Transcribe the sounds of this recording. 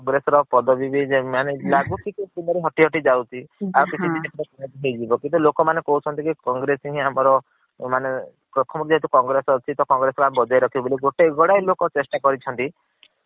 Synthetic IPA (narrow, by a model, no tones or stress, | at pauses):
kŋɡɾesɔɾɔpɔd̪ɔbibʱid͡ʒemanelaɡukikitinɔɾeɦɔʈiɦɔʈid͡ʒawt̪ʰiakit͡ʃʰit̪ieʈʰiɾekunet̪iɦejd͡ʒibɔkint̪ulokɔmanekɔɦut͡ʃʰɔnt̪ikikɔŋɡɾesiɦĩamɔɾɔ | mane | kɾɔt̪ʰɔmɔkid͡ʒɔɦit̪̬ukɔŋɡɾesɔːt͡ʃʰit̪ɔkɔŋɡɾesɔɾamebɔd͡ʒajɾɔkʰiboliɡoʈeɡɔɽajlokɔt͡ʃesʈakɔɾit͡ʃʰɔnt̪i